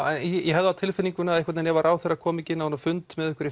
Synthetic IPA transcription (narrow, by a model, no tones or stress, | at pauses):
ɛnjɛɦɛvðʏawt̪ʰɪlfɪniŋkʏnaaðɛhkvat̪nɛnjɛvaɾʔaːwθerːakʰɔːmɪcɪnahunafʏnt̪mɛðʏhkʏɾi